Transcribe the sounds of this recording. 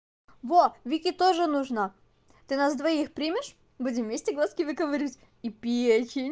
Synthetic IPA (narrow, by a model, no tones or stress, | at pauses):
vovʲikʲit̪oʐɨnuʐnə | t̪ɨnasd̪vɐixpɾʲimʲɪʂ | budʲɪmvmʲesʲtʲɪɡlˠaskʲɪvʲɨkəvɐɾʲitʲ | ipʲet͡ɕʲɪnʲ